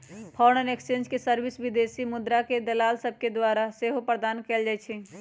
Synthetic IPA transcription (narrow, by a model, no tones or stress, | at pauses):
pʰɔːɾnənekst͡ʃẽːnd͡ʒkesəɾbɪsʋɪd̪eːsimʊd̪ɾaked̪ɐlaːlsəb̚ʱked̪waːɾaseːɦopɾəd̪aːnkɛːld͡ʒaɛt͡ʃʰɛ